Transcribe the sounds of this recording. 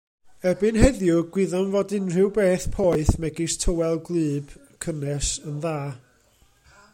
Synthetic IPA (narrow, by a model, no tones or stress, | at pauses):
ɛbɨnhɛðjʊɡwɪðɔnvoːdɪnr̥ɪwbeːθpʰoːɨθmɛɡɪstʰəwɛlˠɡlˠɨːb̥ | kʰənɛsənðaː